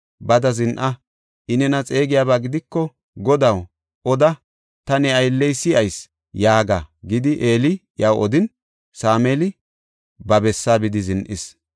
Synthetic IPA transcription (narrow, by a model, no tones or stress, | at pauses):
bɐd̪ɐzɪnʔɐ | ʔɪnɛnɐt͡sʼe̞ːɡɪjaːbaːɡɪd̪ɪkːɔ | ɡɔd̪ɐw | ʔɔd̪ɐ | t̪ɐnɛɐjlːɛjsɪʔɐjs | jaːɡaɡɪd̪ɪʔe̞ːlɪjɐwɔd̪ɪn | saːmeːlɪ | bɐbɛsːaːbɪd̪ɪzɪnʔɪ̰s